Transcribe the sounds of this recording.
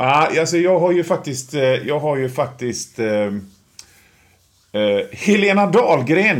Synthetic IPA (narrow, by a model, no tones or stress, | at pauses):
aːalsɔjɑːɡɦaɾjɵfak̚t̪ɪst̪jɑːɡɦaɾjɵfak̚t̪ɪst̪ | hɛleːnad̪ɑːlɡɾeːn